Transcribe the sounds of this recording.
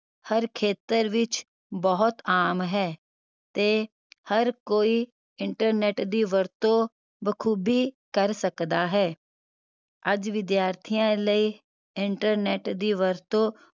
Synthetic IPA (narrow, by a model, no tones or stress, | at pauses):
həɾkʰeːt̪əɾʋɪt͡ʃ | bɔɦʊt̪aːmɦɛː | t̪eː | həɾkoːiː | ɪɳʈəɾnɛːʈd̪iːʋəɾt̪õː | bəkʰuːbiːkəɾsəkd̪aːɦɛː | əd͡ʒʋɪd̪jaːɾt̪ʰijãləiː | ɪɳʈəɾnɛːʈd̪iːʋəɾt̪õː